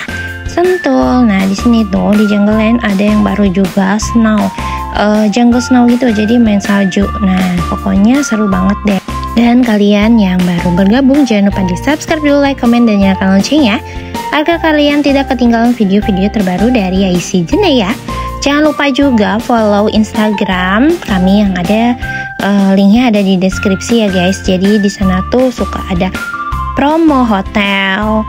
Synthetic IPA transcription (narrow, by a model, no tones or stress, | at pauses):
sənt̪ʊlnahdisinit̪ʊdid͡ʒaŋɡəlɛnʔadajaŋbaɾud͡ʒuɡasənawʔəd͡ʒaŋɡəlsənawɡit̪ud͡ʒadimansad͡ʒuʔnapokɔɲasəɾubaŋət̪̚dɛdankalianjaŋbaɾubərɡabʊŋd͡ʒaanlupadisapskɾap̚duulajkomɛndanjakanɔnt͡ʃiŋjaharɡakaliant̪idakːət̪iŋɡalanfideofideot̪ərbaɾudaɾiajsid͡ʒənajad͡ʒaŋanlupad͡ʒuɡafolowʔinst̪aɡɾamkamijaŋadaʔəliŋaːdadidɛskɾip̚sijaɡajsd͡ʒadidisanat̪usuka̰ʔːdapɾomoɦot̪ɛl